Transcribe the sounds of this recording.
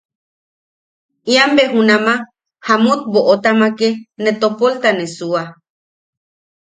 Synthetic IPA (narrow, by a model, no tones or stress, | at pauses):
iambeɦunama | hamut̪̚boʔot̪amakenet̪opolt̪anesua